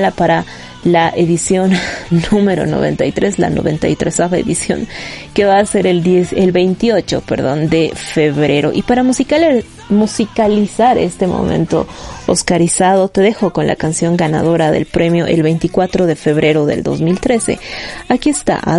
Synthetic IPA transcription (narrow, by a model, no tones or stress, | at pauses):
lapaɾa | laʔe̞ðisjo̞nːũme̞ɾo̞̰no̞̰β̞e̞̰nt̪ajt̪ɾe̞sla̰no̞βe̞nt̪a̰jt̪ɾesaβaeðisjo̞̰ŋke̞βaːse̞ɾeld̪eselβe̞jnt̪io̞t͡ʃo̞̰pe̞ɾðo̞̰nd̪e̞fe̞βɾe̞ɾo̞̰ʔipaɾamusikaleɾ | musikalisaɾe̞̰st̪e̞mo̰mḛ̃nt̪oo̰skaɾisað̞o̞t̪e̞ðe̞xo̞ko̞nla̰kansjo̞ŋɡana̰ðo̞ɾaðe̞̰lpɾʔe̞mjo̞ʔe̞lβe̞jnt̪ikwat̪ɾo̞ðe̞fe̞βɾe̞ɾo̞ðe̞̰ld̪o̞̰zmilt̪ɾe̞se̞̰akie̞st̪a̰